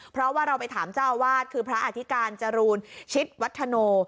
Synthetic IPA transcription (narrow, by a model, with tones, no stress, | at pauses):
pʰɾɔ˦˥waː˥˩ɾa˧wpa˧jt̪ʰaː˩˦mt͡ɕaː˥˩wːaː˥˩t̪̚kʰɯː˧pʰɾa˦˥ʔa˧t̪ʰi˦˥kaː˧nt͡ɕa˧ɾuː˧nt͡ɕʰi˦˥t̪̚wa˦˥t̪ʰːa˧noː˧